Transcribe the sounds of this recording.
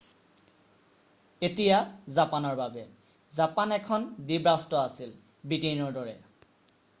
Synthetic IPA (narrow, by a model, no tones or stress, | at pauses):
etijazapanɔɹbabɛ | zapanɛkʰɔndibɹastɔasil | bitejnɔɹdɔɹɛ